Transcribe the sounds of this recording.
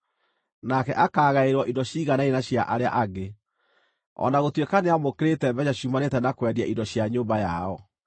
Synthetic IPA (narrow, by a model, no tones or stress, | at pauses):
nakɛʔakaːɣaeɾwɔʔidɔɕiːɣanainaɕjaʔaɾea̰ʔaɡe | ɔ̰naɣotwekaneamokeɾetɛbɛɲaɕumanetɛnakwɛɾiaʔindɔɕjaɲoːmbajaɔ